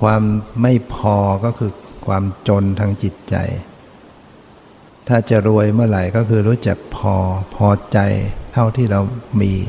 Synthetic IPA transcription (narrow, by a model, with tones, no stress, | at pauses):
kʰwaː˧mːa˥˩jpʰɔː˧kɔː˥˩kʰɯː˧kʰwaː˧mt͡ɕo˧nt̪ʰa˧ŋt͡ɕi˨˩t̪̚t͡ɕa̰˧j | t̪ʰaː˥˩t͡ɕa˨˩ɾu˧əjmɯ˥˩˨ɾa˨˩jkɔː˥˩kʰɯː˧ɾuː˦˥t͡ɕa˨˩k̚pʰɔː˧pʰɔː˧t͡ɕa˧jt̪ʰa˥˩wt̪ʰiː˥˩ɾa˧wmiː˧